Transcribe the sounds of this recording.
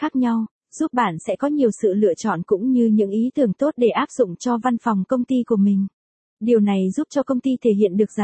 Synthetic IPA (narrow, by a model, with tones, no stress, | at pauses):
xaː˦˥k̚ɲa˧w | z̥u˦˥p̚ɓaː˧˩nsɛ̰˧˥kɔ˨˦ɲi˨˩əwsɨ̰˧˨lɨ̰˧˨ət͡ɕɔ̰˧˨nkʊ̰˧˥ŋ͡mɲɨ˧ɲɨ̰˧˥ŋʔi˨˦t̪ɨ˨˩əŋt̪o˦˥t̚ɗe˧˩ʔaː˦˥p̚z̥ʊ̰˧˨ŋ͡mt͡ɕɔ˧va˧nfa˨˩wŋ͡mkə˧wŋ͡mt̪i˧ku˧˩əmï˨˩ŋ̟ | ɗi˨˩əwna˨˩jzu˦˥p̚t͡ɕɔ˧kə˧wŋ͡mt̪i˧t̪ʰe˧˩ɦḭ˧˨ənɗɨ˨˩ək̚za˨˩